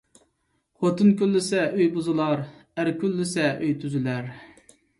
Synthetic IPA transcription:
χot̪ɨnkʲylːɪsɛʔøjbuzɨlˠɑɾæɾkʲylːɪsɛʔøjt̪ʰyzylæɾ

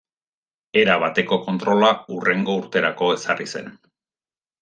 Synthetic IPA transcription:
e̞ɾaβ̞at̪e̞ko̞ko̞nt̪ɾo̞laure̞ŋɡo̞uɾt̪e̞ɾako̞e̞sarise̞̰n

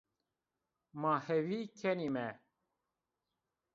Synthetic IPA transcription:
mahɛwiːkʰɛnimɛ

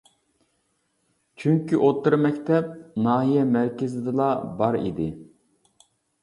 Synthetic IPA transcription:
t͡ʃʰyŋkʲiʔot̪ːɨɾmɛkʲt̪ʰɛp̚nɑːɦijɛmæɾkʲɪzɪd̪ɨlˠɑbɑɾḭd̪ɪ

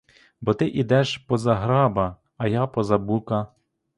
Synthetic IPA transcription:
bɔt̪ɪʔid̪ɛʃpɔzɐɦɾɑbɐː | jɑpɔzɐbukɐ

